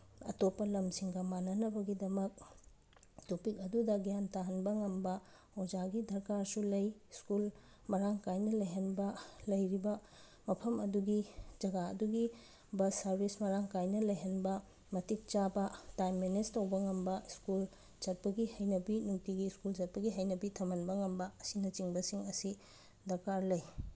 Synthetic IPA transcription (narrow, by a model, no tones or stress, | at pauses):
ɐ̰topːɐlɐmsiŋɡɐmanɐnɐbɐɡidɐmɐk̚ | topikɐdudɐɡijantaɦɐnbɐŋɐmbɐ | howd͡ʒaɡidʱɐɾkaɾsulɐjskul | mɐɾaŋkajnɐlɐjɦɐnbɐlɐjɾibɐ | mɐpʰɐmɐduɡid͡ʒɐɡaɐ̰duɡi | bɐsɐɾbʱismɐɾaŋkajnɐlɐjɦɐnbɐ | mɐtik̚t͡ʃabɐtajmːenestɐwbɐŋɐmbɐskul | t͡ʃɐt̚pɐɡihɐjnɐbinuŋtiɡiskuld͡ʒɐt̚pɐɡiɦɐjnɐbitʰɐmɐnbɐŋɐmbɐɐsinɐt͡ʃiŋbɐsiŋɐsi | dɐɾkaɾlɐj